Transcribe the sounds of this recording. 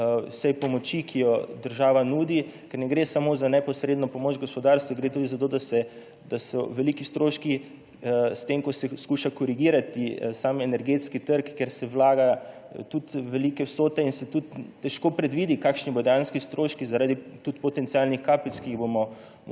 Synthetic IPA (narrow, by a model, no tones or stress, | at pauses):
sɛjpɔmɔt͡ʃikʰijɔd̪əɾʒaːʋanuːd̪ikɛɾnɛɡɾesamozanɛpɔsɾed̪nɔpɔmoːt͡ʃɡɔspɔd̪aɾst̪ʋuɡɾet̪uːd̪izat̪od̪asɛ | d̪̥asɔʋɛlikist̪ɾoːʃki | st̪emkɔsɛskuʃakɔɾiɡiːɾat̪isaːmɛnɛɾɡet̪skit̪əɾkːeɾsɛwlaːɡa | t̪ut̪ʋɛlikɛwsoːt̪ɛinsɛt̪ut̪ːɛʃkoːpɾɛd̪ʋid̪ikakʃnibod̪ɛjaːnskist̪ɾoːʃkizaɾaːd̪it̪ut̪pɔt̪ɛnsialnixkaːpit̪skiːɣbomɔ